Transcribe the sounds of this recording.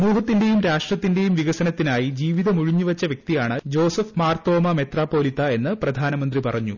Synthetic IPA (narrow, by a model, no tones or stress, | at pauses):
muːɦɐt̪ːinde̞jumɾaːʂʈrɐt̪ːinde̞jumʋiɣɐsɐnɐt̪ːinaːjid͡ʑiːʋiðɐmuɻiɲːuʋɐt͡ɕːɐʋjɐk̚t̪ijaːɳɨd͡ʑo̞ːsɐfmaːrt̪o̞ːmɐmet̪raːpːo̞ːlit̪ːɐe̞nːɨprɐd̪ʱaːnɐmɐnd̪ripɐrɐɲːu